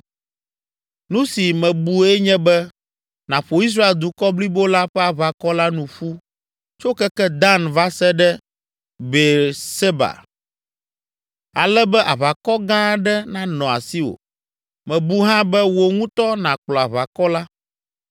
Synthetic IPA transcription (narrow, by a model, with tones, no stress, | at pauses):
nũ˦si˨mɛ̃˨bu˦ɛ˦ɲɛ̃˦bɛ˦ | nã˨ɸo˨i˦s̬ɾa˦e˨ld̪u˨kɔ˦bli˦bo˦la˦ɸɛ˦a˨βa˨kɔ˦la˦nũ˨ɸu˦ | t͡ʃo˦kɛ˦kɛ˦d̪ã˦nva˦sɛ˦ɖɛ˦ | be˨se˦ba̰˨ | a˨lɛ˦bɛ˦ʔa˨βa˨kɔ˦ɡã˦ɖɛ˦nã˨nɔ̃˨a˨si˦o̰˨ | mɛ̃˨bu˦ɦã˦bɛ˦wo˨ŋũ˦t̪ɔ˦nã˨k͡plɔ˨a˨βa˨kɔ˦la˦